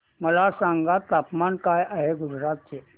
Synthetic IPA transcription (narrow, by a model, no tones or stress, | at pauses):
mɐlasãːŋɡat̪aːpmankaːeʔəɦeɡʊd͡ʒɾaːt̪̚t͡ʃʰe